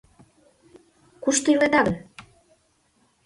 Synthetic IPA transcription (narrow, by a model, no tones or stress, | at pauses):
kuʃt̪oilet̪ɑɣən